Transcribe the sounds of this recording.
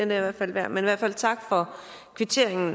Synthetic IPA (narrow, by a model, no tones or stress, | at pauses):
end̥eiʋæɐ̥fæl̰ʋæɐ̰meniʋæɐ̰fæl̰t͡sʰɑ̈ɡ̥fɒ̽ | kʰʋit͡sʰe̝ɐ̰eŋn̩